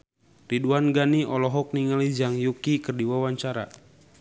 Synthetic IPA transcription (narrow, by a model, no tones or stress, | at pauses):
riduanɡaniʔɔlɔɦɔk̚niŋalizaŋjukikərdiwawaɲt͡ʃaɾa̰